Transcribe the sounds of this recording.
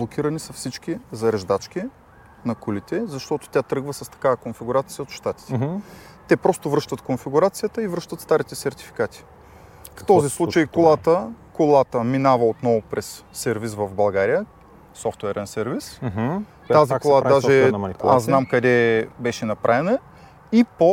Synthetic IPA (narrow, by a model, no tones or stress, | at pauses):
blˠokʲiɾɐnisɐfsit͡ʃk̟ʲizɐɾɛʒd̪at͡ʃkʲi | nɐkulit̪ɛzɐʃt̪ɔt̪ʊ̥t̪ʲjat̪ɾɤɡvəsɐst̪ɐ̥kavɐkonfiɡuɾat̪sijəot̪ʃt̪at̪i̥t̪ɛ | t̪ɛpɾɔst̪ʊvɾɤʃt̪ət̪konfiɡʊɾat̪sijət̪əivɾɤʃt̪ət̪st̪aɾit̪ɛsɛɾt̪i̥fi̥kat̪i̥ | ft̪ɔzislˠut͡ʃəjkolˠat̪əkolˠat̪əminavɐot̪nɔvʊpɾɛsːɛɾvisvɐvbɐlˠɡaɾijə | sɔft̪wɛɾɛnsɛɾvis | t̪azikolˠad̪aʒɛmɐniaszznamkɐd̪ɛbɛʃɛnɐpɾʔavɛnɐ | ipo